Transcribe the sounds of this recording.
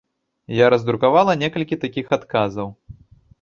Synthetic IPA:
jaɾɐzd̪ɾukavalˠɐnʲɛkɐlʲkʲit̪akʲixat̪kazɐw

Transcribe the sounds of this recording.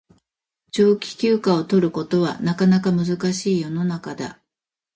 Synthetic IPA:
t͡ɕo̞ːkʲi̥kʲɨːkao̞t̪o̞ɾɯ̟ko̞t̪o̞βanakanakamɯ̟zɨkaɕiːjo̞no̞nakad̪a̰

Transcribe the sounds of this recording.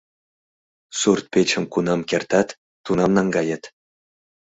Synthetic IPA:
surt̪̚pʲet͡ɕɘ̆mkunɑmkʲert̪ɑt̪ː | unɑmnɑŋɡɑjɤt̪

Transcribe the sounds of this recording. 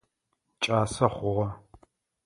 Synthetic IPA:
t͡ʃʼaːsɐχʷʊʁɐ

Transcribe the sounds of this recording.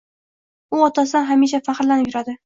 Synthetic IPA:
ʊɒt̪ʰasɪɦamiʃ̬afaχɾlanɪjʊɾad̪ɪ

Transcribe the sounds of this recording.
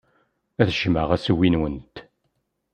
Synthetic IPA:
æθʒ̥mə̰ʁæsəwːinwənt̪

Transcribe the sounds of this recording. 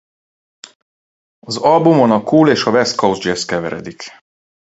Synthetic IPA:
ɒzɒlbumonɒkuːleːʃɒvɛst̪kowzd͡ʒɛskɛvɛ̰ɾɛ̰d̪ik

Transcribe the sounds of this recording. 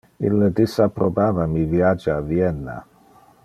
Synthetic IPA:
ḭlːed̪isapːɾobaːvamivjad͡ʒaavjɛnːa̰

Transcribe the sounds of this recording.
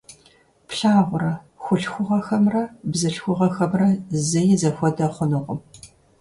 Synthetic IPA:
pɬaːʁʷʊɾɐ | xʷʊɬxʷʊʁɐxɐmrɐbzɐɬxʷʊʁɐxɐmrɐzɐjɪzɐxʷɔdɐχʷʊnɨʁʷʊm

